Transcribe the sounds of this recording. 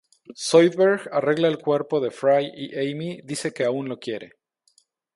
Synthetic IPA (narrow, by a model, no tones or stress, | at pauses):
sojðβeɾɣare̞ɣlaelkwe̞ɾpo̞ðe̞fɾajiʔejmiðise̞ke̞aunlo̞kje̞ɾe̞̰